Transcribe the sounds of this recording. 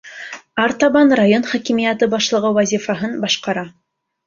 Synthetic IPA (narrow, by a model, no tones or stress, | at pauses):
ɑɾt̪ɑβɑnrajonχɑkimijæt̪ɤbɑʃlˠɤ̆ʁɤwæzʲifɑɦɤnbɑʃqɑɾɑ